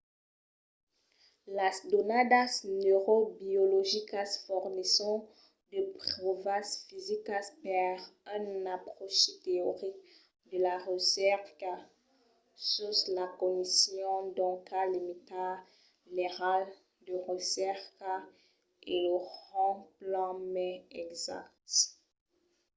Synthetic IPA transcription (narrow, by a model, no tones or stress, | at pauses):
lasd̪onad̪asnøʁobiɔlɔʒikasfɔʁnisɔ̃ | d̪əpχɔvasfizikaspɛʁɛ̃napχɔʃt̪eɔʁik | d̪əlaʁəsɛʁka | suslakɔnisjɔ̃d̪ɔ̃kalimit̪a | neʁal | d̪əʁəsɛʁk | eləʁɑ̃plɑ̃mɛɛkza̰kt̪